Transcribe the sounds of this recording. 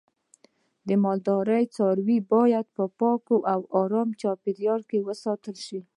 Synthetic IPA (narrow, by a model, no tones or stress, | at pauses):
d̪əmɑld̪ɑɾəjt͡sɑɾwibɑjad̪̚pəpɑkoʔawɑɾɑmt͡ʃɑpeɾjɑlkewəsɑt̪əlʃi